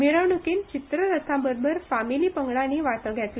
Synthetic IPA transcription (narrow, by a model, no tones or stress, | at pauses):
miɾəwɳukiːnt͡ɕit̪ɾəɾət̪ʰãbəɾbʱəɾfamiliːpəŋɡɭaniːʋat̪əɡʱjat̪li